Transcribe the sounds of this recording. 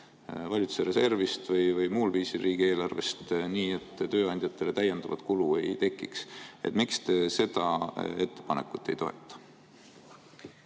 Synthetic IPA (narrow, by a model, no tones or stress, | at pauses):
vɑlʲit̪u̥seɾe̞se̞rvist̪vɤjvɤjmuːlviːsiriːɡ̥ie̞ːlɑrve̞̰st̪niːe̞t̪ːt̪ø̞ːɑnʲd̪jɑt̪ˑːe̞le̞t̪æjend̪̥ɑvɑ̰t̪kulue̞jt̪e̞kˑːikse̞̰t̪mikst̪e̞se̞d̪̥ɑe̞t̪ːe̞̥pɑnekːˑut̪ːˑe̞jt̪o̞̰ḛt̪ːˑɑ̥